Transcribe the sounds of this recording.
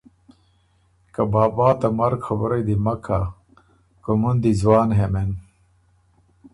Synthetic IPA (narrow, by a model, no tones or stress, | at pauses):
kɐbaːbaːt̪ɐmɐɾkxɐbɾed̪imɐkʰa | komund̪izwɑːnɦemen